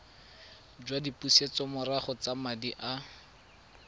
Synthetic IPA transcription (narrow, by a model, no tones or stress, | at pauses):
d͡ʒwadipuset͡sɔmʊraχɔt͡samadiʔa